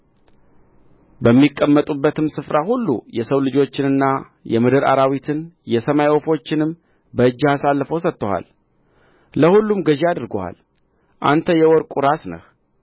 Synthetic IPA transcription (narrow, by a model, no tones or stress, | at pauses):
bəmːikʼːəmːət̪ʼubːət̪ɨmsɨfɾahulːṵjɛsəwlɨd͡ʒo̞t͡ʃːɪnɨnːa | jɛmɨd̪ɨɾa̰ɾawit̪ʰɨnjɛsəmajwofo̞t͡ʃːɪnɨm | bəɨd͡ʒːɪhasalːəfəwsət̪ːoha̰l | ləhulːumɡəʒead̪ɨɾɡoha̰l | ʔa̰nt̪ʰəjɛwɔɾkʼuɾasnə̰h